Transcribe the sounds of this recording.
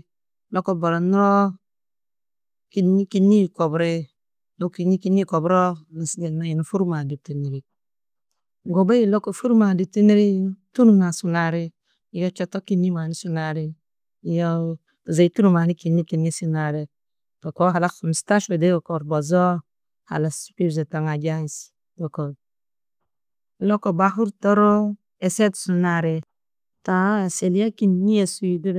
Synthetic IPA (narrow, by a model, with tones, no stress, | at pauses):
lo˦ko˦bo˨ɾa˨n˦ɾo˦ | ki˦nːi˦ki˦nːi˦˨ko˨bɾe˦ | lo˦ki˨ni˦ki˦ni˦˨ko˨bɾo˦na˨si˦ɡe˨na˦ji˨nu˨fu˦ɾma˨di˨p̚ti˨ni˨ɾi˨ | ɡo˨be˦i˦˨lo˦ko˨fu˦ɾma˨di˨p̚ti˦ni˦ɾi˦tu˦nu˦˨na˨su˨na˨ɾi˦ | i˦ɡa˦t͡ʃe˦to˦ki˦nːi˦ma˨ni˦su˦na˨ɾi˦˨ | jo˦ | tu˨za˨i˦tu˦ɾu˨ma˨ni˦ki˨nːi˦ki˨nŋi˦su˦na˨ɾe˨ | pa˨ko˦ɦa˨la˦kmi˨sta˦ʃo˨de˦ɡo˨ko˨ɾbo˨zo˦ | ha̰˨la˨spi˦bze˨ta˨ŋa˨d͡ʒa˦˨s | do˨ko˨ | lo˦ko˨ba˦ɦu˦ɾto˦ɾo˦ | e˨se˦tsu˨na˨ɾe˨ | ta˨se˨li˦ja˦ki˨nːi˦ja˨su˦i˨du˦